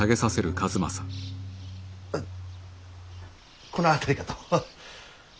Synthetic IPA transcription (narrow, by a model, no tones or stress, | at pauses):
aɡe̞sase̞ɾɯ̟kazɨma̰sḁ | konoat̪aɾʲikat̪o̥